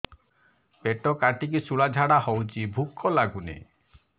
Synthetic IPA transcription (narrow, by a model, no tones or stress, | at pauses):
peʈɔkaʈik̬isuɭad͡ʒʱaɽahɔwt͡ʃʰibʱukʰːɔlaɡunḛ